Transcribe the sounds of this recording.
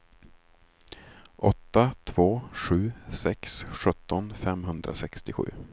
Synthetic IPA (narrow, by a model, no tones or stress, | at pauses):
ʔɔt̪ːat̪ʰv̥oːɧʉ̟ːsɛksɧɵt̪ʰːɔnfɛmɦɵnd̪ɾa̰sɛkst̪ɪɧʉ̟ː